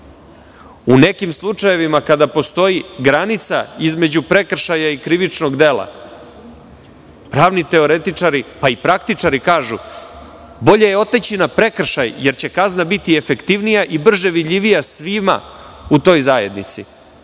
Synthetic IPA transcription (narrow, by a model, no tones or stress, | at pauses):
une̞kimslˠut͡ʂaje̞ʋimakad̪apo̞st̪o̞jiɡɾanit̪sa̰izme̞d͡ʑupɾe̞kr̩ʃajaikɾiʋit͡ʂnoɡd̪e̞ːlˠa̰ | pɾaːʋnit̪e̞o̞ɾet̪it͡ʂaɾipaipɾak̚t̪it͡ʂaɾikaːʒu | bo̞ʎe̞je̞o̞t̪et͡ɕinapɾe̞kr̩ʃajje̞ɾt͡ɕe̞kaznabit̪ie̞fe̞kt̪iʋnijaʔibr̩ʒe̞ʋid̪ʎʲiʋijasʋima̰ut̪o̞ːjzaːje̞d̪nit̪sḭ